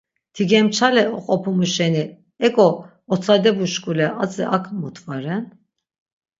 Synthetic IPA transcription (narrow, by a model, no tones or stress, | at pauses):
t̪ʰiɡɛmt͡ʃʰalɛɔqʼɔpʰumuʃɛni | ɛkʼɔ | ɔt͡sʰʼad̪ɛbuʃkʼulɛʔat͡sʼɛʔakʰʼmut̪ʰʼvaɾɛn